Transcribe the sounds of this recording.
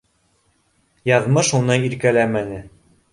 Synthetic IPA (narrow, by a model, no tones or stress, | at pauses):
jɑðmɤʃunɤjiɾkælæmænɘ